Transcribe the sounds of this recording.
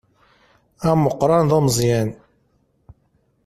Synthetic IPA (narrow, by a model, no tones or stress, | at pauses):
æməqːɾˤɑnðˤomzˤjæn